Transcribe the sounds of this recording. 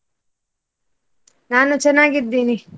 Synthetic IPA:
naːnut͡ʃɛnːaːɡid̪ːiːni

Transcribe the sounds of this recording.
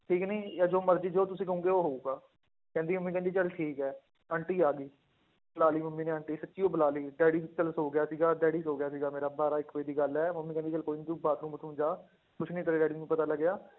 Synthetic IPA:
ʈʰiːkniːjaːd͡ʒoːməɾd͡ʒiːd͡ʒoːt̪ʊsĩːkəɦũːŋɡeːoːɦoːuːɡaː | kɛ̃ːnd̪iːməmːiːkɛ̃nd̪iːt͡ʃəlʈʰiːkɛː | əɳʈiːaːɡiː | bəlaːliːməmːiːnẽːəɳʈiːsətːʃiːoːbəlaːliːɖɛːɽiːt͡ʃəlsoːɡɪjaːsiːɡaːɖɛːɽiːsoːɡɪjaːsiːɡaːmeːɾaːbaːɾaːɪkːʋeːd̪iːɡəlɛːməmːiːkɛ̃ːd̪it͡ʃəlkoːiːnĩːt̪ũːbaːt̪ɾũːmbət̪ʰũːd͡ʒaː | kʊt͡ʃʰnĩːt̪əɾeːɖɛːɽiːnũːpət̪aːləɡːɪjaː

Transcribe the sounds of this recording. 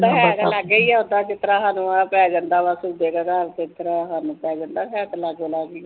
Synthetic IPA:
t̪aɦɛt̪laɡəiːɛːɦʊ̃nd̪aːt͡ʃɪt̪ːɾaːɦaːnũːaːpɛːd͡ʒə̃nd̪aːʋasud̪eːkəɡaːɾkɪt̪ɾaɦaːnũːpɛːd͡ʒə̃nd̪aːpʰɛːt̪laɡoːlaːɡiː

